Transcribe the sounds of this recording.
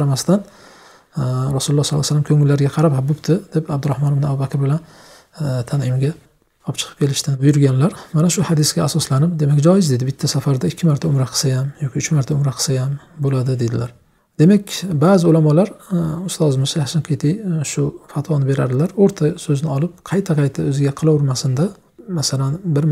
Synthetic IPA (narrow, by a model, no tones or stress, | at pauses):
qʰɑɾamast̪an | ɾasulʊlːˠɑhslːˠasalːamkʲʰɵŋɪlːaɾɡʲaqʰɑɾaphabʊpt̪ʰɪd̪epab̚d̪ʊɾahmɒnfnɪabubakʲɾbɪlan | t̪ʰanɪmɡʲa | ɒpt͡ʃʰɨ̥qʰɨ̥pkʲʰe̞lɪʃt̪anbʊjʊɾɡʲanlaɾmanaʃʊhad̪ɪsɡʲaasɒslanɪp̚d̪e̞makʲd͡ʒɒjɪzd̪ed̪ɪbɪt̪ʰːasafaɾd̪aɪkʲʰːɪmaɾt̪ʰaʊmɾaqʰɨ̥sajamjɒkʲɪːt͡ʃʰmaɾt̪ʰaʊmɾaqʰɨ̥sajambolad̪ɪd̪e̞d̪ɪlaɾ | d̪̥e̞makʲbazɪʊlamɒlaɾʊst̪azɪmɪʃjasɪnkʲʰet̪ʰɪjʃʊfat̪ʰwɒnɪbe̞ɾa̰ɾd̪ɪlaɾoɾt̪ʰasɵznɪɒlɪp̚qʰɑjt̪ʰaqʰɑjt̪ʰaɵzɪɡʲaqʰɨlˠawɾmasɪnd̪a | masalanbɪɾ